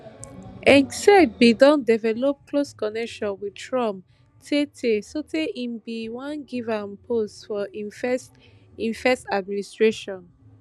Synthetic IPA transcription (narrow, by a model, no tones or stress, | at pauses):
ɛ̃ŋsad̚bidɔ̃ndɛvɛlop̚kloskɔnɛkʃɔ̃nwitɹɔ̃m | tʰetʰesotʰeʔĩmbiwãnɡivãmpʰostfɔifs | ĩnfɛstad̚mĩnistɹeʃɔ̃n